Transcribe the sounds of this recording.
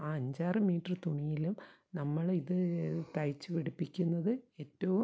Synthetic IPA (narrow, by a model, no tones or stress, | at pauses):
aːɐɲd͡ʑaːrɨmiːʈrɨt̪uɳijilum | nɐmːɐɭiðɨt̪ɐjt͡ɕːɨʋiɽipːikʲːunːɐðɨe̞ːtːɐʋu